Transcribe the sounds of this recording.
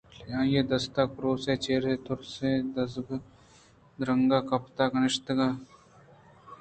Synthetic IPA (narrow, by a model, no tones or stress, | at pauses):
ljãːjeːd̪ɐst̪ak̚pɾoːseːt͡ʃeːɾɦet̪ʊɾsẽd̪ɐsɡ | d̪ɾəŋɡaːkɐpt̪aːkɐnɪʃt̪əɡaː